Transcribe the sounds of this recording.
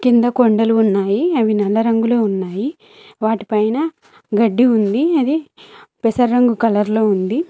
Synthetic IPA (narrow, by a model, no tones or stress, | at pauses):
kind̪ɐkoɳɖɐluːnːaːjiɐʋinɛɭːɐɾɐŋɡuleːunːaːji | ʋaːʈipɐjnɐ | ɡɐɖːiund̪iɐd̪ipesɐɾːɐŋɡukɐlɐɾlo̞ːund̪i